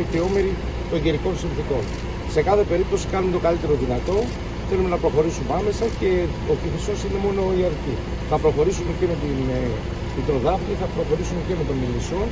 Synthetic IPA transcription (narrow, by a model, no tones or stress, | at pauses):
iceo̞me̞ɾi | t̪o̞ɲɟe̞ɾiko̞nsinθiko̞n | se̞kɐθe̞pe̞ɾip̚t̪o̞si̥kɐnumet̪o̞kɐlit̪e̞ɾo̞ðinɐt̪o̞ | θe̞lume̞nɐpɾo̞xo̞ɾisumeɐme̞sɐce̞ | oçiθiso̞sine̞mo̞no̞iɐɾci | θɐpɾo̞xo̞ɾisumeceme̞t̪in | t̪it̪ɾo̞ðɐfɲiθɐpɾo̞xo̞ɾisumece̞me̞t̪o̞miliso̞